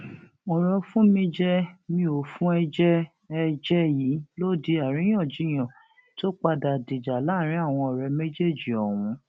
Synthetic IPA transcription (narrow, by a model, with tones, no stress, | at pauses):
ɔ˨ɾɔ˧fũ˦mĩ˧d͡ʒɛ˦mĩ˧o˨fũ˦ɛ˧d͡ʒɛ˦ | ɛ˧d͡ʒɛ˦ji˨˦lo˦di˧a˨ɾ̃ĩ˨˦j̃ɔ̃˦˨d͡ʒi˨˦j̃ã˨ | to˦k͡pa˧da˨di˨d͡ʒa˨la˦˨ɾ̃ĩ˦a˦˨w̃ɔ̃˧ɔ˨ɾɛ˨˧me˦d͡ʒe˦˨d͡ʒi˨ɔ˨w̃ũ˨˧˦